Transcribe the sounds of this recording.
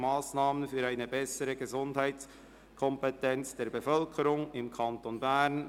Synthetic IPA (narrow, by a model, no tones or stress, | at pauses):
maːsnaːmənfyːɾaɪnəbɛsəɾəɡəzʊndhaɪtt͡s | kʰɔmpetɛnt͡sd̥eːɐbəfœlkʰəɾʊŋɪmkʰɑntonbæn